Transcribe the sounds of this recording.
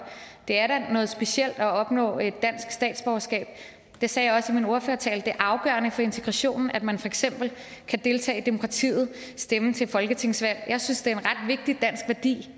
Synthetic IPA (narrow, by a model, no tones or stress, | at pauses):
d̥e̝æɐɾænɔ̽ːð̞̩ˠsb̥e̝ɕel̰d̥æɒ̽b̥nɔ̰̽ːe̝d̥ːæn̰sɡ̥sd̥ɛ̰ːd̥sb̥ɒʊɐsɡ̥ɛ̰ːb̥̚ | d̥e̝sɛːjɑ̈ɪɒ̽simino̝ɐføɐt͡sʰɛ̰ːld̥e̝æɐʔɑ̈ʊɡ̥ɶ̰ɐnəfɒ̽e̝nt͡sʰe̝ɡ̥ʁɑ̈ɕo̝̰ːnn̩æd̥mænfɒ̽eɡ̥sem̰b̥l̩kʰæd̥e̝lt͡sʰɛ̰ːd̥e̝mo̝kʰʁɑ̈t͡sʰḭːð̞̩ˠ | sd̥emət͡sʰe̝fɒ̽lɡ̥ət͡sʰe̝ŋ̰sʋæl̰jɑ̈ɪsynsd̥e̝æe̝nʁɑ̈d̥ʋe̝ɡ̥̚d̥id̥æn̰sɡ̥ʋæɐd̥ḭː